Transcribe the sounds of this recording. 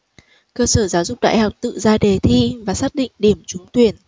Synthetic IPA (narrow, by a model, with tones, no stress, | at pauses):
kəː˧səː˧˩zaː˨˦wzʊ˨˩k͡p̚ɗa̰ː˧˨jɦa˨˩wk͡p̚t̪ɨ̰˧˨zaː˧ɗe˨˩t̪ʰi˧vaː˨˩saː˦˥k̚ɗḭ˧˨ŋ̟ɗi˧˩əmt͡ɕʊ˨˦ŋ͡mt̪wi˨˩ən